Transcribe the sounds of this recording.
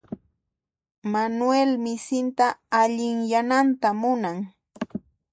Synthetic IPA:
manwelmɪsɪnt̪aːʎɪŋjanant̪amʊnaŋ

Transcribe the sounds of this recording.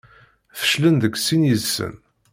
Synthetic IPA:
θə̥ʃlənðəkːsinjəðsə̰n

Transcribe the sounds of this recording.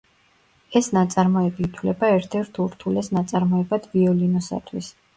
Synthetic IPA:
ɛsnat̪sʼaɾmɔɛbiːt̪ʰwlɛbaɛɾt̪ʰɛɾt̪ʰuɾt̪ʰulɛsnat̪sʼaɾmɔɛbad̪̥viɔlinɔsa̰t̪ʰwis

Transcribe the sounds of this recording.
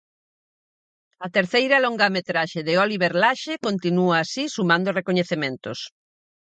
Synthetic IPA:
ɐt̪eɾθejɾɐlõŋɡamet̪ɾaʃeðɪoliβeɾlaʃekont̪inuaːsisumãnd̪orekoɲeθemẽnt̪os

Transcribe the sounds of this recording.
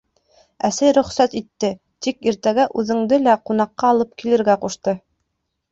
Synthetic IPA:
æsæjɾɵ̆χsæt̪it̪ːɘ | t̪ikiɾt̪æɡæʔʉðɘ̆ŋd̪ɘlæqunɑqːɑːlˠɤp̚kilɘ̆ɾɡæquʃt̪ɤ

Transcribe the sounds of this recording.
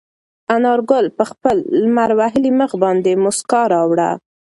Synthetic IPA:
anɑɾɡʊlpəxpəlːmaɾwaɦɪliməxbɑnd̪emʊskɑɾɑwɽa̰

